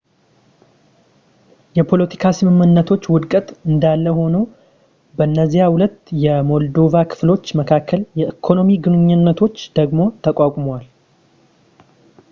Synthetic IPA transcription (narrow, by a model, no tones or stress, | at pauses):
jɛpʰo̞lət̪ʰi̥kʰasɨmɨmːɨnːət̪ʰo̞t͡ʃːwʊd̪kʼət̪ʼɨnd̪alːəho̞nu | bəɨnːəzːijahʊlət̪ːjɛmo̞ld̪o̞vakʰɨ̥flo̞t͡ʃːməkʰakːəljɛʔɨkʰo̞no̞miɡɨnɨɲːɨnːət̪ʰo̞t͡ʃːd̪̥əɡmo̞t̪ʰəkʼakʷʼmwal